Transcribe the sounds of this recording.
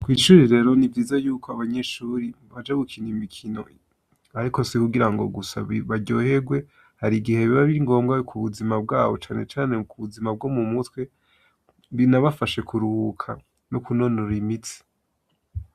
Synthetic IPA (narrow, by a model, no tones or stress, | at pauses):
kwiːʃuɾiɾe̞ɾo̞nivɡiːzajuːko̞aβaɲe̞ʃuːɾi | βad͡ʒaɡukʰinimikʰino̞ | aɾiko̞sikuɡiɾaŋɡo̞̰ɡusa̰ββaɟo̞ːhe̞ɡwe̞ | haɾiɡihe̞βiβaβiɾiŋɡo̞ːmɡakʰuβuzimab̚ɡaːβo̞t͡ʃaːne̞t͡ʃaːne̞kuβuzimab̚ɡo̞mumutwe̞ | βinaβafaʃe̞kuɾuhukʰa̰ | nokuno̞noɾimit͡si̥